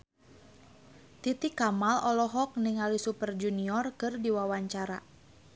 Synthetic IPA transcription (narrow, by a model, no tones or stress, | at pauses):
t̪it̪ikamalɔlɔɦɔk̚niŋalisupərd͡ʒuniɔrkɨrdiwawaɲt͡ʃaɾa̰